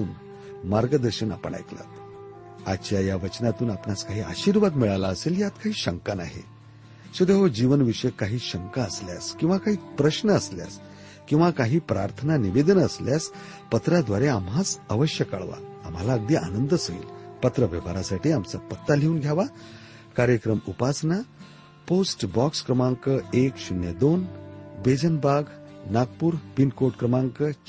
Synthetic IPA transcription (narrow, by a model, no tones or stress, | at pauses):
uːn | maɾɡəd̪əɾɕəna̰pə̰ɳa̰jkla̰t̪ | at͡ɕjajaʋət͡ɕnat̪uːnapnaskaɦiːa̰ɕiːɾʋad̪miɭalaəseljat̪kaɦiːɕəŋkana̰ɦḛ | ɕed̪eɦod͡ʑiʋənʋiʂəjkaɦiːɕəŋkaəslja̰skĩw̃ʋakaɦiːpɾəɕnəəslja̰s | kĩw̃ʋakaɦiːpɾaɾt̪ʰənaniʋed̪ənəsljas | pət̪ɾad̪ʋaɾeamɦat͡səʋəɕjəkə̰ɭʋa̰amɦalaəɡ̚d̪iʔa̰nənd̪əsəḭːlpət̪ɾəʋjəʋaɾasaʈʰiːamt͡sapət̪ːaleuːnɡʱjaʋa | kaɾjəkɾəmupasna | posʈbɔkskɾəmaŋkəekɕunjəd̪onbed͡zənbaɡnaɡ̚puːɾpinkoɾʈkɾəmaŋkə